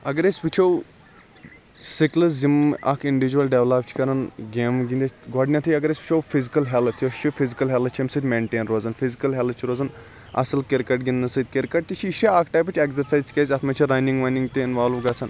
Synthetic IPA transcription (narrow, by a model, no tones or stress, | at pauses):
ɐɡɐɾesʲʋit͡ʃʰow | siklɐs̬zimɐ̰kʰiɳɖiʋid͡ʒuwɐlɖeʋlapt͡ʃʰi̥kɐɾɐnɡeːmɡind̪et͡ʃɡɔɖnʲɐt̪ʰɨjɐɡɐɾeːsʲʋʲit͡ʃʰowfizikɐlɦɛlt̪ʰjoʃifizikɐlɦʲɛlʰt͡ʃʰimsɨd̪ʲmeːɳʈeːnɾoːzɐnfizikɐlɦɛl̚t͡ʃʰiɾoːzɐn | ɐ̰sɨlkeɾkɐʈɡinnɨsɨd̪̚ʲkeɾkɐʈ̚t̪iʃʰiʃiakʰʈaːjpɨt͡ʃʰekzɐɾsaːjzt͡ʃʲʰkʲɐzʲɐt̪ʰmɐt͡ʃʰiɾajnĩŋɡʋajniŋɡt̪iinʋaːlʋɡɐt͡sʰɐn